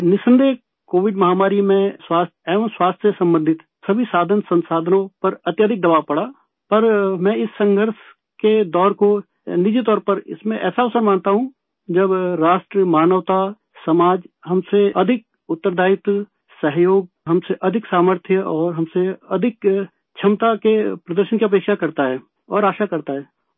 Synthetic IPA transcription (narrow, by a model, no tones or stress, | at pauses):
nɪsə̃nd̪ʱe | koːʋɪɖmɐɦaːmaːɾimẽswaːst̪ɛːʋənswaːst̪ʰjesɐ̃mbə̃nd̪ʱɪt̪ | sɐbʱisaːd̪ʱənsɐ̃nsaːd̪ʱənõpɐɾɐt̪jaːd̪ʱɪk̚d̪ɐʋaːpɐɽa | pɐɾmɛ̃ːɪsːɐ̃ŋɡʱəɾʃ | ked̪ɔːɾko | nɪd͡ʒit̪̬ɔːɾpɐɾɪ̰smẽʔɛ̰ːsaɔsəɾmãːnt̪aɦũ | d͡ʒɐbɾaːʃʈɾəmaːnəʋt̪a | sɐmaːd͡ʒɦɐmseɐd̪ʱɪk̚ | ʊt̪ːəɾd̪ʱaːɪt̪ | sɐɦjoːɡ̚ɦɐmseʔɐd̪ʱɪksaːməɾt̪ʰjəʔɔːɾɦɐmseɐd̪ʱɪk | t͡ʃʰɐmt̪akepɾɐd̪əɾʃənkiɐp̬eːkʃakɐɾt̪aɦɛː | ɔːɾaːʃakɐɾt̪aɦɛː